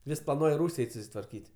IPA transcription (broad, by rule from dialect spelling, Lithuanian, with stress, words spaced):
ˈʋʲɪs plˠɐˈnuɔj ˈruːsʲ ˈɛɪtʲ sʊsʲɪtʋɐrʲˈkʲiːtʲ